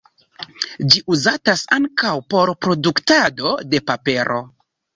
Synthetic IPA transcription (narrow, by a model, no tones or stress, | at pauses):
d͡ʒiʔuzatasaŋkawpo̞ɾpɾo̞duktado̞de̞pape̞ɾʔo̞